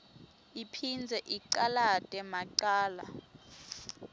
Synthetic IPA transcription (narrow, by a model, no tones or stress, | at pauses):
ipʰind͡zʱɛʔiǃalatʼɛmaǀaːla